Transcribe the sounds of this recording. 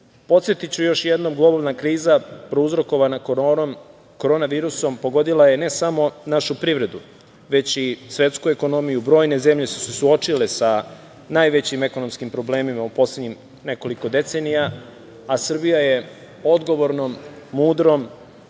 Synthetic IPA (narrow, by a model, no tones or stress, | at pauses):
po̞t̪sjet̪it͡ɕujo̞ʃjed̪no̞mɡlˠo̞baʋnakɾiːzapɾouzɾo̞ko̞ʋana | ko̞ɾo̞ːnaʋiːɾuso̞mpo̞ɡo̞d̪ilaje̞ne̞samo̞naʃupɾiʋɾe̞d̪u | ʋe̞t͡ɕisʋe̞t̪skueko̞no̞mijubɾo̞ːjne̞ze̞mʎe̞su̥sesuo̞t͡ʃilesa | najʋe̞t͡ɕime̞ko̞no̞mskimpɾo̞ble̞ːmimaupo̞sledɲim | ne̞ko̞liko̞d̪e̞t̪se̞nija | asɨrbijaje̞ | o̞d̪ɡo̞ʋo̞ɾnomːuːd̪ɾo̞m